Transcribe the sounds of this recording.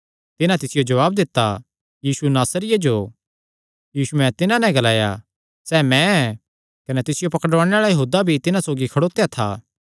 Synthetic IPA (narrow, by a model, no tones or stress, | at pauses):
t̪ɪnãt̪ɪsɪjod͡ʒɐʋaːbd̪ɪt̪ːa | jiːsunaːsɾɪjed͡ʒo | jiːsuɛ̃t̪ɪnãnɛ̃ɡɐlaːja̰ | sɛːmɛ̃ɛ | kɐnɛt̪ɪsɪjopɐkəɽʋaːɽ̃eaːɽajɐɦuːd̪abʱit̪ɪnãsoːɡikʰɐɽoːt̪ejat̪ʰa̰ː